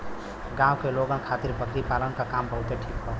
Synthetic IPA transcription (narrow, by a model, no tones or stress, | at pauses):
ɡãwkeloɡənkʰat̪iɾpəkɾipalənkakambəɦut̪eʈʰikɦo